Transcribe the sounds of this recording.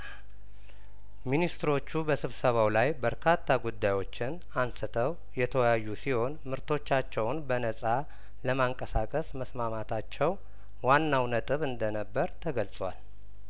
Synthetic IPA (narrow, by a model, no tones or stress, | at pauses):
minist̪ɨɾo̞t͡ʃːubəsɨβsəβawlajbəɾkʰat̪ʰːaɡud̪ːajwo̞t͡ʃːɪn | ansɨt̪ʰəw | jɛt̪ʰəwjajːusiho̞nmɨɾt̪ʰo̞t͡ʃːat͡ʃːɛwnbənəsʼa | ləmaŋkʼəsakʼəsməsmamat̪ʰat͡ʃːɛw | wanːawnət̪ʼɨβɨnd̪ənəbːəɾt̪ʰəɡəlsʼwa̰l